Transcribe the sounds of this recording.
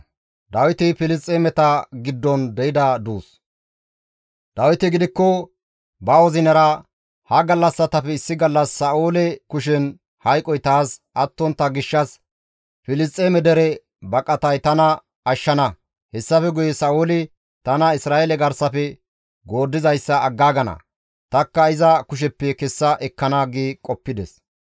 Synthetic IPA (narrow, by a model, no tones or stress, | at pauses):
d̪ɐwɪt̪ɪfɪlɪs̬t̪ʼːeːmɛt̪ɐɡɪd̪ːɔnd̪ɛɪd̪ɐd̪uːs | d̪ɐwɪt̪ɪɡɪd̪ɪkːɔ | bɐwɔzɪnɐɾɐ | hɐɡɐlːɐsːɐt̪ɐfɛɪsːɪɡɐlːɐsːɐʔuːlɛkʊʃ̬ɛn | hɐjkʼɔjt̪aːsʔɐt̪ːɔnt̪ːɐɡɪʃːɐs | fɪlɪs̬t̪ʼːeːmɛd̪ɛɾɛ | bɐkʼɐt̪ɐjt̪ɐnɐ | ɐʃːɐnɐ | hɛsːɐfɛɡʊjɛsɐʔuːlɪ | t̪ɐnɐɪsɾaːelɛɡɐɾsɐfɛ | ɡo̞ːd̪ːɪzɐjsːɐːɡːaːɡɐnɐ̰ | t̪ɐkːɐɪzɐkʊʃ̬ɛpːɛkɛsːɐʔɛkːɐnaɡiːkʼɔpːɪd̪ɛs